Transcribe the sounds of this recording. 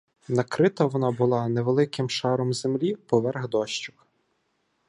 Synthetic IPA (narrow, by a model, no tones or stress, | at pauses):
nɐkɾɪt̪ɐʋɔnɑbʊlˠɑneʋelˠɪkɪmʃɑɾɔmzemlʲipɔʋɛrɣd̪ɔʃt͡ʃʊ̥k